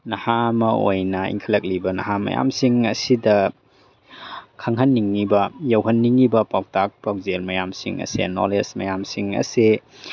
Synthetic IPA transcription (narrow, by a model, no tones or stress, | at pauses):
nɐhamɐojnɐḭŋkʰɐlɐk̚libɐnɐ̰ɦamɐ̰ja̰msiŋɐsidɐ | kʰaŋɦɐnːiŋːibɐjɐwɦɐnːiŋːibɐpawtak̚pawzelmɐjamsḭŋɐ̰sḛno̰lesmɐjamsiŋɐ̰se